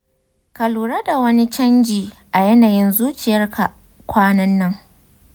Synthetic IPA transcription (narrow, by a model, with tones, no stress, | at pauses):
kɐ˨luː˨ɾɐ˦da˨wɐ˦ni˦t͡ʃɐ˦nd͡ʒiː˨ʔa˨jɐ˦naː˨jɪ˦nzuː˦t͡ʃɪ˨jɐ˦rkʰa˨ | kʷaː˦nɐ˦nːɐ˦ŋ